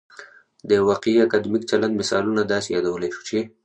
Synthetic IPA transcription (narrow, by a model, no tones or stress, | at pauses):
d̪əwɑqiakad̪imik̚t͡ʃaland̪mɪsɑ̰lunad̪ɑsejɑd̪awəlajʃu̥t͡ʃe